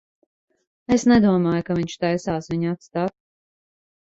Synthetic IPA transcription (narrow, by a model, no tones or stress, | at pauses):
esnɛd̪uɔmaːjukaviɲʲʃt̪ajsaːsviɲat̪st̪aːt̪